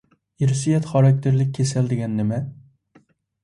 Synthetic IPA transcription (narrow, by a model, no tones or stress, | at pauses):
ɪɾsijat̪χɒɾak̚ʲt̪ʰɪɾlɪk̚ʲʰːesald̪eɡʲanːɪma